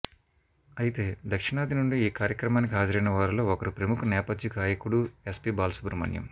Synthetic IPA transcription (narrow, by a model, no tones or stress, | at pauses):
ɐjit̪e̞ːd̪ɐkʂiɳaːd̪ʱinuɳɖiiːkaːɾjɐkɾɐmaːnik̬iɦaːd͡ʒɐɾɐjnɐʋaːɾulo̞ːɔkɐɾupɾɐmukʰunɛːpɐd̪jukaːjɐkuɽuespiːbaːlsu̥puɾumɐ̰njɐ̰m